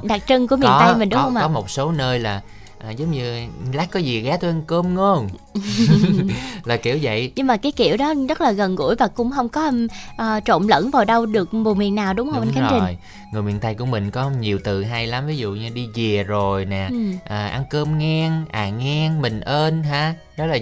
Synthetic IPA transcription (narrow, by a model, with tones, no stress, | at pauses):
ɗa˨˩k̚t͡ɕə˧ŋku˧˩əmḭ˧˨ə˨˦t̪a˧jmï˨˩ŋ̟ɗʊ˨˦hə˧wŋ͡mʔaː˨ɔ˨˦mo˨˩t̚so˨˦nəː˧jlaː˨˩ | ʔəː˨˩zə˨˦wŋ͡mɲɨ˧laː˦˥k̚kɔ˨˦jzi˨˩ɣaː˨˦t̪ʰu˧ʔa˧nkəː˧mŋo˧n | laː˨˩ki˧˩əwzə̰˧˨jɲɨ˧ŋmaː˨˩kaː˨˦jkḭ˧˩˨əwɗɔ˨˦zə˦˥t̚laː˨˩ɣə˨˩nɣṵ˧˥əjvaː˨˩kʊ̰˧˥ŋ͡mhə˧wŋ͡mkɔ˨˦ʔəː˨˩t͡ɕo̰˧˨nlə̰˧˥nvaː˨˩wɗə˧wɗɨ˨˩ək̚ɓu˨˩mḭ˧˨ənːaː˨˩wɗʊ˨˦ŋ͡mhə˧ŋ͡mnka˨˦t͡ɕi˨˩j | ŋɨ˨˩jmwḭ˧˨ənt̪a˧jku˧˩əmï˨˩ŋ̟kɔ˨˦ɲi˨˩əwt̪ɨ˨˩ɦa˧jla˨˦mvi˨˦zṵ˧˨ɲɨ˧ɗi˧zi˨˩əzo˨˩jnɛ˨˩ʔəː˨˩ʔa˧nkəː˧mŋɛ˧ŋʔaː˨˩ŋɛ˧ŋmï˨˩ŋ̟ʔəː˧nɦaː˨˧˩ | ɗɔ˨˦laː˨˩